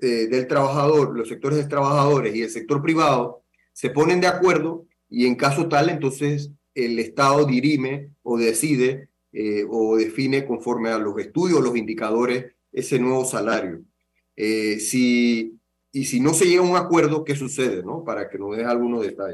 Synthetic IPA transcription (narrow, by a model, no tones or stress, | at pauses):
ed̪e̞lt̪ɾaβaxaðo̞ɾlose̞k̚t̪oɾeðet̪ɾaβaxaðo̞ɾe̞sie̞lse̞k̚t̪o̞ɾpɾiβ̞að̞o̞ | se̞po̞nẽ̞nd̪eakwe̞ɾðo̞ | ie̞ŋkaso̞t̪ale̞nt̪o̞nse̞s | ele̞st̪aðo̞ðiɾime̞oðe̞siðe̞ | eoðe̞fine̞ko̞ɱfo̞ɾmealo̞se̞st̪uðjo̞slo̞sind̪ikað̞o̞ɾe̞s | e̞̰se̞nwe̞β̞o̞salaɾjo̞̰ | esi | sino̞se̞ʝe̞ɣauŋakwe̞ɾðo̞ke̞s̬use̞ð̞e̞no̞paɾake̞no̞zðe̞salɣuno̞ðet̪aʝe